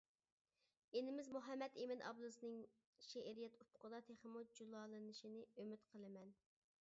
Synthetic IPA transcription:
enɪmɪzmuɦɛmːɛt̪emɪnʔɑ̰blˠɨsɨnɨŋ | ʃeʔɾijɛt̪upʰʊ̥qəd̪ɑt̪ʰeχɨmud͡ʒulˠɑːlˠɨnɨʃinɪømyt̪qʰəlˠɨmɛn

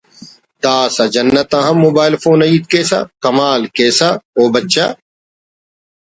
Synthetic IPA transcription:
d̪aːsɐd͡ʒɐnːɐt̪ãːɦɐ̃mːoːbaːɪlfoːnɐiːt̪̚keːsa̰kɐmaːlkeːsaoːbɐtːʃa̰

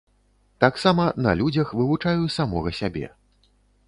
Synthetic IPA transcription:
t̪aksamɐnɐ̰lʲud͡zʲɐxvɨvut͡ʂajusamɔɣɐsʲabʲɛ̰

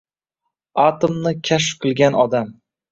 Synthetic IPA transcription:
at̪omnɪkʲʰaʃfqʰɨlˠɡʲanɒd̪am

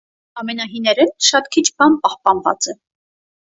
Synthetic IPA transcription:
ɑmɛnɑɦinɛɾɛnʃɑt̪kʰit͡ʃʰbɑnpɑhpɑnvɑ̰t͡sɛ

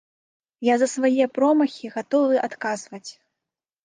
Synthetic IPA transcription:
jazɐsvajɛpɾɔmɐxʲiɣat̪ɔvɨʔat̪kazvɐt͡sʲ

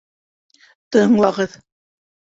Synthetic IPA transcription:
t̪ɤɴlˠɑʁɤð

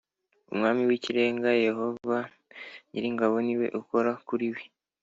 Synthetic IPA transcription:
ṵmŋaːmiwiciɾe̞ːŋɡaje̞ho̞va | jiɾiŋɡaβo̞niwe̞̰ʔuko̞ɾakuɾiwi

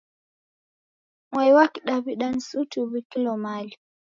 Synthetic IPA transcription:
ŋwajwakiɗaβiɗan̩sutuβikilɔmali

